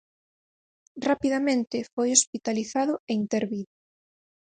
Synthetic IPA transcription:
rapiðamẽnt̪ɪfojospit̪aliθaðʊeint̪eɾβiðʊ

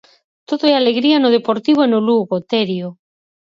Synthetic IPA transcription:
t̪oðoɛaleɣɾianʊð̞epoɾt̪iβoenʊluɣot̪eɾjo

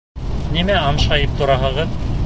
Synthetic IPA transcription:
nimæɑmʃɑjɤp̚t̪ŏɾɑɦɤ̆ʁɤð

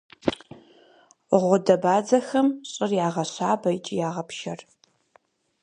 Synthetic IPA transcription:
ʁʷʊdɐbaːd͡zɐxɐmɕʼɪrjaːʁɐɕaːbɐjt͡ʃʼijaːʁɐpʃɐr

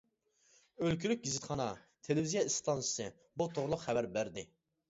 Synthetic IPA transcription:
ølkʲylyk̚ʲɡʲizɪt̪χɑnɑ | t̪ʰelɪvizijɑist̪ʰɑnsɨ̥sɨ | but̪ʰoʁlˠʊqχævæɾbæɾd̪ɪ

